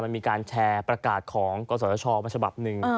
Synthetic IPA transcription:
ma˧miː˧kaː˧nt͡ɕʰɛː˧pɾa˧kaː˨˩t̪̚kʰɔː˩˦ŋkɔː˧s̬ɔ˦˥t͡ɕʰɔː˧maː˧t͡ɕʰa˧ba˨˩p̚nɯ˨˩ŋ˧

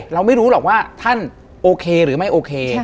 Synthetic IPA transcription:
ɾa˧wma˥˩jɾuː˦˥lɔː˨˩k̚waː˥˩t̪ʰa˥˩n | ʔoː˧kʰeː˧ɾɯː˩˦ma˥˩jʔoː˧kʰeː˧

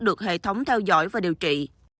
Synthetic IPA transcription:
ɗɨ˨˩ək̚hḛ˧˨t̪ʰə˨˦wŋ͡mt̪ʰɛ˧wzɔ̰˧˥jvaː˨˩ɗi˨˩əwt͡ɕḭ˧˨

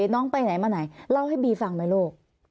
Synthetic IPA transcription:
nɔː˦˥ŋpa˧jna˨˩˦jmaː˧na˨˩˦jla˥˩wha˥˩jbiː˧fa˧˩ŋmaː˧loː˥˩k̚

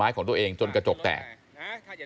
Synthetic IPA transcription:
aː˦˥jkɔː˧˩˦ŋt̪ʔeː˧ŋt͡ɕo˧nkaː˧t͡ɕo˨˩k̚t̪ɛ̰ː˨˩k̚

